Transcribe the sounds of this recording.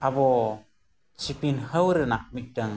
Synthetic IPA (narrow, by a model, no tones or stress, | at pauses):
abɔ | t͡ʃipinhəwɾɛnaʔ̚mik̚daŋ